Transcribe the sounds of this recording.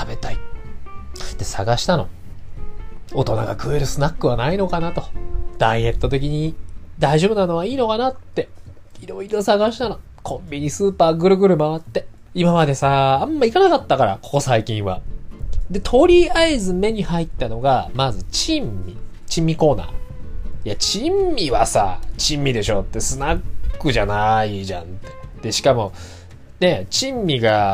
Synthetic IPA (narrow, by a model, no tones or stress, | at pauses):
t̪abe̞t̪ai | d̪̥e̞sa̰ɡaɕi̥t̪ano̞̰ | o̞t̪o̞na̰ɡa̰kɯ̟eɾɯ̟sɨnakːɯ̟βanaino̞kanat̪o̞d̪̥a̰ie̞t̪ːo̞t̪e̞k̬ʲiɲ̟id̪aiʑo̞bɯ̟nano̞βaiːno̞kanat̪ːe̞iɾo̞iɾo̞saɡaɕi̥t̪ano̞ | kʰõ̞mbʲiɲ̟isɨːpaːɡɯ̟ɾɯ̟ɡɯ̟ɾɯ̟maβat̪ːe̞ | imamad̪e̞saːmːaikanakat̪ːakaɾa̰ko̞̥ko̞saikʲĩɰ̃βa̰ | d̪e̞t̪ʰo̞ɾʲiaizɨme̞ɲ̟ihait̪ːano̞ɡamazɨt͡ɕĩmːʲit͡ɕĩmːiko̞ːna̰ːijat͡ɕimːʲiβasa̰t͡ɕĩmːʲid̪e̞ɕo̞t̪ːe̞sɨnakːɯ̟ʑanaiʑã̰nt̪ːe̥d̪̥e̞ɕi̥kamo̞ | ne̞t͡ɕĩmːʲiɡa